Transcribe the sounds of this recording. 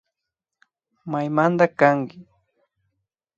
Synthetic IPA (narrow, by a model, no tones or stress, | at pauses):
majmand̪akaŋkɪ